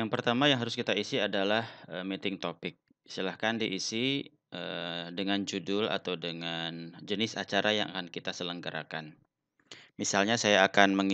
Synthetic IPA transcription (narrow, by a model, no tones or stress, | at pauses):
jaŋpərt̪amajaŋɦaɾʊskit̪aisiadalahəmit̪ɪŋt̪opɪk̚ | i̥st̪ilahkandiʔisi | ʔədəŋand͡ʒudʊla̰t̪awdəŋand͡ʒənɪsat͡ʃaɾʔaja̰ŋʔa̰kankit̪asələŋɡaɾʔa̰kan | misalɲasajaːkanməŋ